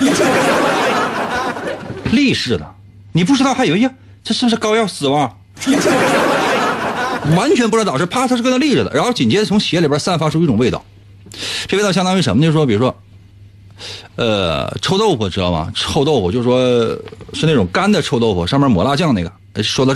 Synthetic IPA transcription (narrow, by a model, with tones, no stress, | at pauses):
li˥˧ʂɻ̩˥˧˩d̪ə˩ | ni˨˩p̬u˥˩ʈ͡ʂʰɻ̩˥ɑ˥˩xa˥i˨˩we˥ja˥˩ | ʈ͡ʂʂ̬ɻ̩˥˩bu˧ʂɻ̩˥˧kɑ˥ʊjɑ˥˩ʊsɹ̩˨˩mɑ˧˥˧ | wa˧˥nt͡ɕʰɥɛ˧˥npu˧˥t̪ɑ˨˩ʈ͡ʂɻ̩˥˧pʰa˥ʂ̩˥˧kə˥n˥li˥˧ʂɻ̩˥˩d̪ə̰˩ɻa˧˥nxo˥˧ʊt͡ɕi˨˩nt͡ɕjɛ˥˩ʊ˧˥ŋɕi˨jɛ˥li˨˩bə˞˧˥sa˥˩nfa˥ʈ͡ʂʰu˥i˥ʈ͡ʂʊ˨ŋwe˥˧ɪt̪ɑ̰˥˩ʊ | ʈ͡ʂe˥˧˥ɕɑ˥nt̪ɑ˥˧i˧˥˩ʂə˧˥mət͡ɕo˥˧ɻ̩˧˩˥i˨˩ɻu˥ʂwɔ˥ | ə̰˧ʈ͡ʂʰo˥ʊt̪o˥˩ʊfu˨˩ʈ͡ʂɻ̩˧˥d̪ɑ̰˥˩mɐ̰˨˩ʈ͡ʂʰo˥˧ʊt̪o˥˧ʊfɔ˨˩t͡ɕo˥˧ʂɻ̩˧ʂwɔ˥ʂɻ̩˥˧ne˥˩ʈ͡ʂʊ˨˩ŋka˥nd̪ə˨ʈ͡ʂʰo˥ʊt̪o˥˩ʊfɔ̰˨˩ʂɑ˥˧mɛ˥mwɔ˧˥la˥˧t͡ɕjɑ˥˧ŋne˥˩ɡə˩˧˥ʂ̩˥˩ʂwɔ˥d̪ə˧